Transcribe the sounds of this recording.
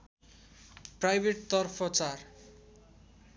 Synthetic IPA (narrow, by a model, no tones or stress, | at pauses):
prajbʱeʈ̚t̪ʌrpʰʌt͡sar